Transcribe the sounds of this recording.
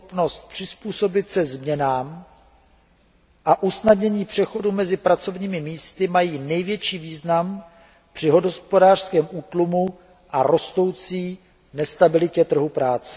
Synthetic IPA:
p̪no̞st̪̚pr̥ɪspuːso̞bɪt̪sɛzmɲɛnaːm | ʔaʔusnadɲɛɲiːpr̝̥ɛxo̞dumɛzɪpɾat͡so̞vɲiːmɪmiːst̪ɪmajiːnɛjvjɛt͡ʃiːviːznam | pr̝̥ɪɦo̞dospo̞daːr̥skɛːmʔuːt̪lumu | ʔaɾo̞st̪o̞wt͡siː | nɛst̪abɪlɪcɛt̪r̩ɦupɾaːt͡sɛ̥

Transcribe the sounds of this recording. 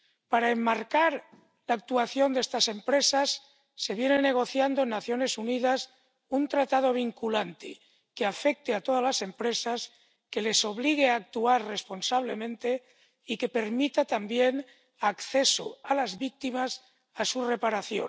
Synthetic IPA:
paɾaemːaɾkaɾ | laːk̚t̪uaθjo̞nd̪est̪ase̞mpɾe̞sasː | e̞βje̞nene̞ɣ̞o̞θjand̪oenːaθjo̞ne̞suniðas | unt̪ɾat̪aðo̞β̞iŋkulant̪ḛ | keafe̞k̚t̪eat̪o̞ð̞azlase̞mpɾe̞sas | ke̞le̞so̞βliɣ̞eaːk̚t̪uarre̞spo̞nsaβ̞le̞mẽnt̪e̞ | ike̞pe̞ɾmit̪at̪ambjen | akθeso̰alazβik̚t̪imas | asure̞paɾaθjo̰

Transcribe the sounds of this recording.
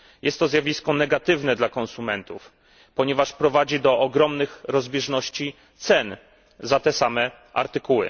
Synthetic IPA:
jɛst̪ːɔzʲjavʲiskɔnɛɡat̪ɘvnɛd̪lakɔnsumɛnt̪uf | pɔɲɛvaʂpɾɔvad͡ʑid̪ɔʔɔɡɾɔmnɘxɾɔzbʲjɛʐnɔɕt͡ɕi | t̪sɛn | zat̪ɛsamɛ | ʔa̰ɾt̪ɘkuwɘ̰

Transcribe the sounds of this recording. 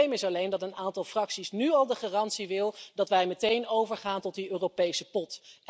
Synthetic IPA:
jmɪsɑlejndɑtənaːntɑlˠfrɑksisnyɑlˠdəχaːrɑntsiʋɪlˠdɑtʋɛjmətejnowvəɹχaːntɔt̚diøːrowpejsəpɔt

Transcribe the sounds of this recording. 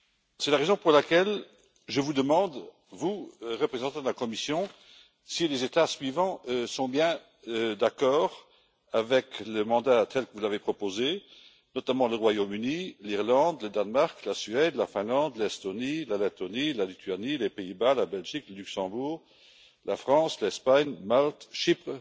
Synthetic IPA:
sɛlaʁezɔ̃puʁlakɛl | ʒəvud̪əmɑ̃d̪ | vuʁəpχezɑ̃t̪ɑ̃d̪əlakɔmisjɔ̃ | silezet̪asɥivɑ̃øsɔ̃bjɛ̃ | d̪akɔːʁ | avɛkləmɑ̃d̪at̪ʰɛlkəvuzavepχɔpoze | nɔt̪amɑ̃ləʁwajomyniliʁlɑ̃d̪ləd̪anmaʁklasɥɛd̪lafɛ̃lɑ̃d̪lɛst̪onilalet̪onilalit̪ʰɥanilepeibalabɛlʒikləlyksɑ̃buːʁ | lafχɑ̃slɛspaɲmalt̪ʃipχə

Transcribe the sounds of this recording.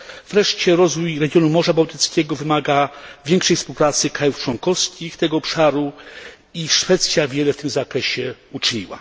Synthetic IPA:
v̥ɾɛʂt͡ɕɛɾɔzvujɾɛɡʲjɔnumɔʐabawt̪ɘt̪skʲɛɡɔvɘmaɡavʲjɛŋkʂɛjfspuwpɾat̪sɘkɾajuft͡ʂwɔŋkɔfskʲixt̪ɛɡɔɔpʂaɾu | iʂfɛt̪sʲjavʲjɛlɛft̪ɘmzakɾɛɕɛut͡ʂɲḭwa̰

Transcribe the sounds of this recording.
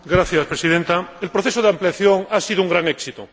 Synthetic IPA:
ɡɾaθjaspɾesið̞ẽnt̪aelpɾoθesoðeampliaθjoŋasiðouŋɡɾaŋeksit̪o

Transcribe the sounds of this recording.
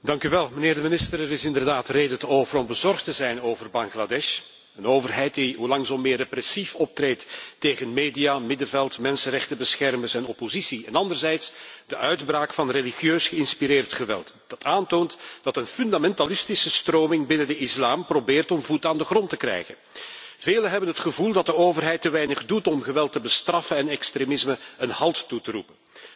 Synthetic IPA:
dɑŋkyʋɛlˠməneːrdəmɪnɪstəɾɛɾɪsɪndərdaːtreːdəntəoːvəɾɔmbəzɔrχtəzɛjnoːvərbɑŋɣladɛʃ | ənoːvərɦɛjt̚diɦulɑŋzɔmːɪːreprɛsifɔp̚treːtːeːɣənmeːdijaːmɪdəvɛlˠtmɛnsənrɛxtəbəsxɛrməsɛnɔpozisiɛnɑndərzɛjtsd̥əʔœɥdbraːkfɑnrelixjøːsxəɪnspiɾɪːrtxəʋɛ̰lˠtd̥ɑtaːntoːntd̥ɑtənfʏndamɛntalɪstisəstroːmɪŋbɪnəndəɪslaːmprobeːrtɔmvutaːndəχrɔntəkrɛ̰jɣənv̥eːləɦɛbənɦətxəvulˠdɑt̚dəoːvərɦɛjtːəʋɛjnəχdutɔmɣəʋɛlˠtəbəstrɑfənɛnɛkstɾemɪsməənhɑlˠttutəɾṵpə

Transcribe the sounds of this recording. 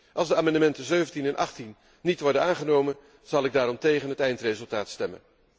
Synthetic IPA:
ʔɑlˠzdəaːmɑndəmɛntəzøɥvəntinɛnʔɑ̰χtinː | itʋɔɹdənaːnχənowmən | z̥ɑlˠɪɡ̚daːɾɔmtejχənɦətɛjntrejzɵlˠtaːtstɛmə̰n

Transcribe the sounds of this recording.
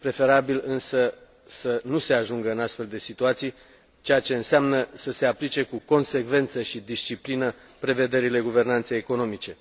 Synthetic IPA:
pɾe̞fe̞ɾabilɨnsə | sənuse̞aʒuŋɡəɨnast̪fe̞ld̪e̞sit̪uat̪sij | t͡ʃejat͡ʃe̞ɨnseamnəsəse̞aplit͡ʃe̞kuko̞nse̞kve̞nt̪səʃid̪ist͡ʃiplinə | pɾe̞ve̞d̪e̞ɾile̞ɡuve̞rnant̪sejeko̞no̞mit͡ʃe̞

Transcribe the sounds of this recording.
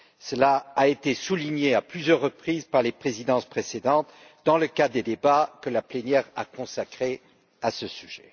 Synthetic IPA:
səlaːet̪esuliɲeaplyzjœʁːəpχizpaʁlepχezid̪ɑ̃spχesed̪ɑ̃t̪ | d̪ɑ̃ləkad̪ed̪ebakəlaplenjɛʁa̰kɔ̃sakχe | asəsyʒɛ̰

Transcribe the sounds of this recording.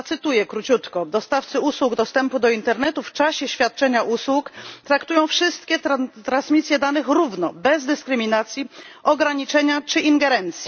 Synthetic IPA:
t̪sɘt̪ujɛkɾut͡ɕut̪kɔd̪ɔst̪aft̪sɘuswuɡd̪ɔst̪ɛmpud̪ɔint̪ɛɾnɛt̪uft͡ʂaɕɛɕfʲjat̪̚t͡ʂɛɲaʔuswukt̪ɾakt̪ujɔ̃w̃fʂɘst̪̚kʲɛat̪ɾãnsmʲit̪sʲjɛd̪anɘxɾuvnɔbɛzd̪ɘskɾɘmʲinat̪sʲjiʔɔɡɾaɲit͡ʂɛɲat͡ʂɘʔiŋɡɛɾɛnt̪sʲji

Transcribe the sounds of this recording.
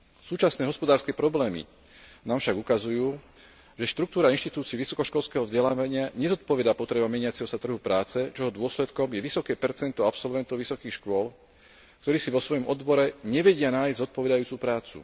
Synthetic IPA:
suːt͡ʃasnɛːɦɔspɔd̪aːɾskɛːpɾɔblɛːmḭ | naːmfʃaɡukazujuː | ʒɛʃt̪ɾuk̚t̪uːɾainʃt̪it̪uːt͡siɛʋisɔkɔʃkɔlskɛːɦɔvzɟɛlaːʋaɲɪaɲɛzɔt̪̚pɔʋɛd̪aːpɔt̪ɾɛbamɛɲɪat͡sɛɦɔsat̪r̩ɦupɾaːt͡sɛt͡ʃɔɦɔd̪ʊɔslɛt̪kɔmjɛʋisɔkɛːpɛɾt͡sɛnt̪ɔapsɔlʋɛnt̪ɔʊʋisɔkiːxʃkʊɔl | kt̪ɔɾiːsiʋɔsʋɔjɔmʔɔd̪bɔɾɛɲɛʋɛɟɪanaːjzɟzɔt̪̚pɔʋɛd̪ajuːt͡supɾaːt͡sṵ

